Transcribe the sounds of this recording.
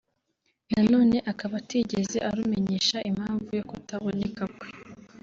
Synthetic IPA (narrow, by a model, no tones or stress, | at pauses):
nano̞ːne̞ʔakaβatiɟe̞ze̞ʔaɾume̞ɲe̞ʃaʔim̥haːɱvujo̞kutaβo̞ne̞kakwe